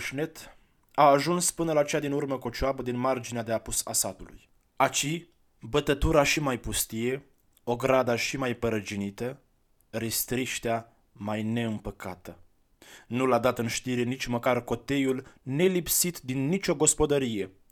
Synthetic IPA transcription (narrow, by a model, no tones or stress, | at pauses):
ʃne̞t̪ | aːʒunspɨnəlat͡ʃejad̪inurməkot͡ʃoabəd̪inmard͡ʒinead̪eapusa̰sat̪ulṵj | at͡ʃi | bət̪ət̪uɾaʃimajpust̪ije̞ | o̞ɡɾad̪aʃimajpəɾəd͡ʒinit̪ə | ɾist̪ɾiʃt̪ea | majne̞ɨmpəkʰat̪ə | nulad̪at̪ɨnʃt̪iɾe̞nit͡ʃʲməkarko̞t̪e̞julne̞lipsit̪d̪inːit͡ʃʲo̞ɡo̞spo̞d̪əɾije̞